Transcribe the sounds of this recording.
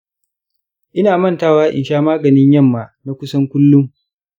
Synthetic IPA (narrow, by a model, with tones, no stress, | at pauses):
ʔɪ˦naː˨mɐ˦˨ntaː˦waː˦ʔɪ̰˨nʃaː˦maː˦ɡɐ˨nɪ˦ɲjɐ˦˨mːaː˨na˨kʷʊ˦sɐ˦ŋkʷʊ˦lːʊ˦ŋ